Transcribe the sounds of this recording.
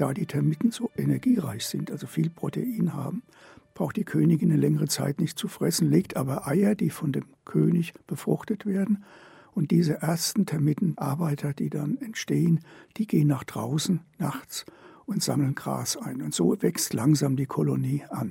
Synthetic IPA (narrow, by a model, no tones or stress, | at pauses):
d̥aːdiːtʰɛɐmɪtn̩z̥oːʔenɛɐɡiːʁaɪçz̥ɪntʔalzofiːlpʁ̥otʰḛʔiːnha̰ːbm̩ | b̥ʁaʊxtd̥iːkʰøːnɪɡɪnːəlɛŋəʁət͡sa̰ɪtnɪçt̚t͡sufʁ̥ɛsn̩leːk̚tʔaːbɐʔaɪɐdiːfɔndeːmkʰøːnɪçb̥əfʁ̥ʊχtətv̥eːɐdn̩ | ʔʊnt̚d̥iːzəʔeɐstn̩tʰɛɐmɪtn̩ʔaɐbaɪtʰɐd̥iːdanɛntʃteːənd̥iːɡeːənːaːχd̥ʁa̰ʊsn̩naχt͡sʔʊntz̥aml̩nɡ̥ʁa̰ːsʔaɪnʊntz̥oːvɛkstlaŋzaːmdiːkʰɔloniːʔan